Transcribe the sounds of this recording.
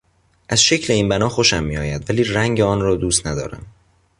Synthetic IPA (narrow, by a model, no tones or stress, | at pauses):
ʔæz̥ʃe̞cʰle̞iːnbænɒːxoʃæmːiɒːjæd̪væliːræŋɟeɒːnrɒːd̪uːst̪næd̪ɒ̰ːɾæ̰m